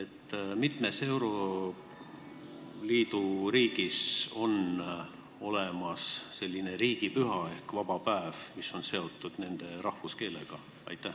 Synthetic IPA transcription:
et̪ːˑmit̪me̞se̞wɾo̞ | liːd̪uɾiːɡ̥iso̞n | o̞lemɑsːe̞lʲːine̞ɾiːɡ̥ipyɦɑe̞hkvɑb̥ɑpæevmiso̞nse̞o̞t̪ːˑud̪̥ne̞nd̪̥e̞ɾɑhfuske̞ːle̞̰ɡ̥ɑ | ɑ̰jt̪ːˑæh

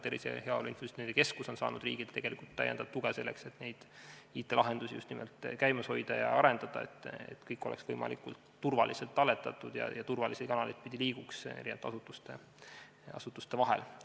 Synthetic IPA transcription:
t̪eɾisḛheɑolinfosit̪nend̪eke̞skuso̞nsɑ̰ːnud̪̥riːɡ̥id̪t̪e̞ɡ̥e̞likult̪t̪ːæ̰jḛnd̪̥ɑd̥̪̚t̪uɡ̥ese̞lːekse̞t̪ne̞jd̪̥iːt̪ːˑe̞lɑɦe̞nd̪usijust̪nimɛ̰lt̪ːˑkæjmɑsho̞jd̪̥ɑjɑ̰ɑɾe̞nd̪̥ɑd̪̥ɑe̞̰t̪ːˑḛt̪kɤjkːˑo̞leksvɤjmɑ̰likult̪ːurvɑlʔiselt̪ːˑɑlːe̞t̪ːˑɑt̪ːˑud̪̥jɑ̰jɑt̪urvɑlised̪̚kɑnɑlejt̪̚pid̪iliːɡ̥ukseɾʔinevt̪ːɑsut̪ːˑust̪e | ɑ̰sut̪ːˑu̥st̪e̞vɑɦḛl

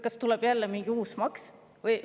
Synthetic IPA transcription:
kɑst̪ulɛb̥jælːɛmiŋɡ̥iuːsmɑks | vɤj

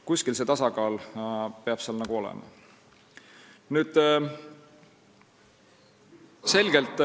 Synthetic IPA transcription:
kuskilse̞t̪ɑsɑɡɑːlpeɑb̥seɑlnɑɡ̥uo̞lɛ̰mɑ̰ | nyːd̪̥ | se̞lɡ̥e̞lt̪ːˑ

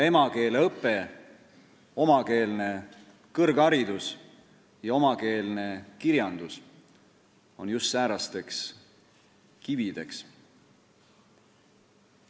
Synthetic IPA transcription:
e̞mɑke̞ːleɤpːˑe̞ | o̞mɑke̞ːlne̞ | kɤrɡ̥ɑɾid̪̥us | jɑo̞mɑke̞ːlne̞kiɾjɑnd̪̥us | o̞njust̪ːæːɾɑst̪e̞ks | kivid̪̥e̞ks

